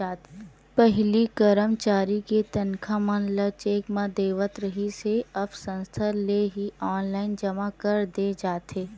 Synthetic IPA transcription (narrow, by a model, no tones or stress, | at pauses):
aːt̪ | pɛɦlikəɾəmt͡ʃaːɾiket̪ɐnkʰamɐnlat͡ʃeːkmãd̪eːʋət̪ɾəɦiseɐbʰsə̃nst̪ʰəleɦiɔːnlaːɪnd͡ʒɐmakɐɾd̪ed͡ʒaːt̪eː